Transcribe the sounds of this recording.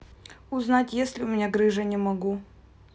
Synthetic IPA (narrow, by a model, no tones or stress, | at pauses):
ʊznatʲjesʲlʲɪʊmʲɪnʲaɡɾɨʐənʲɪmɐɡu